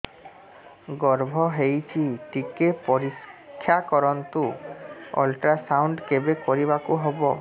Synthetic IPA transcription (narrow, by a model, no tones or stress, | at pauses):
ɡɔɾbʱɔɦejt͡ʃʰiʈikepɔɾikʰːjakɔɾɔnt̪u | ɔ̰lʈɾasawɳɖkebekoɾiβakuɦɔbɔ